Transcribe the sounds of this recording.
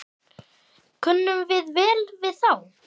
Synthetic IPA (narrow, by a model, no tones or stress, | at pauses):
kʰʏnːʏmvɪðvɛːlvɪðθaw